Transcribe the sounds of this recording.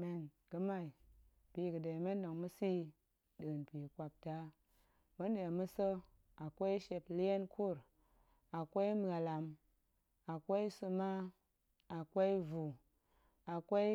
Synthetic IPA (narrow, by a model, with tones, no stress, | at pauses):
me˦nkɨ˧˦ma˦i˨ | pi˨kɨ˨de˨me˦ndo˨ŋmu˦si˦ | dɨ˨npi˨kʷa˨p̚ta˦ | mu˦nde˨mɨ˦sə˦ | a˨kʷa˦i˦ʃe˧tli˦je˦nkʰu˦˨ɾ | a˨kʷa˦i˦m˦a˨la˨m | a˨kʷa˦i˦su˧ma˦ | a˨kʷa˦i˦vu˨ | a˨kʷa˦i˦